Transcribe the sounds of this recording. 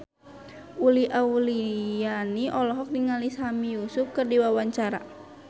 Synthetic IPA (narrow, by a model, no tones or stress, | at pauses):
uliʔaulijaniʔɔlɔɦɔk̚niŋalisamijusufkərdiwawaɲt͡ʃaɾa̰